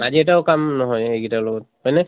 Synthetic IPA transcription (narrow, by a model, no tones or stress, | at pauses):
maziɛtaʊkamnɔɦɔjeɡitalɔɡɔt̚majnɛ